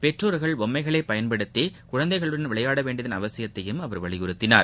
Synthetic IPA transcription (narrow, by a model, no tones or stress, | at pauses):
pɛʈroːɾɣɐɭɔmːɐɪɣɐɭɐɪpːɐjɐnpɐɽɯt̪ːikʊɻɐnd̪ɐɪɣɐɭɯɽɐnʋɪɭɐjaːɽɐʋeːɳɖɐðɐɪnɐʋɐsɪjɐt̪ːɐjɯmɐʋɐɾʋɐɭɪɣʊɾɯt̪ːɪna̰ːɾ